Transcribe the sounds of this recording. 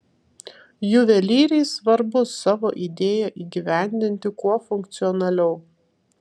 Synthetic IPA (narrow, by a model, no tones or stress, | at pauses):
jʊʋʲɛlʲiːɾʲɛɪsʋɐɾbʊsɑːʋo̰ːʔid̪ʲeːjɛʔiːɡʲiʋʲæˑnʲd̪ʲɪnʲt̪ʲɪkuɔfʊŋkt̪sʲɪɔnɐlʲɛʊ